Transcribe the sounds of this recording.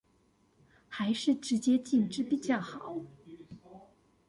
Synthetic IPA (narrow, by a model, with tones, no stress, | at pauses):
xa˧˥ɪʂɻ̩˥˩ʈ͡ʂɻ̩˧˥t͡ɕjɛ˥t͡ɕi˥˧nʈ͡ʂɻ̩˥˧pi˨˩t͡ɕjɑ˥˩ʊxɑ˨˩˦ʊ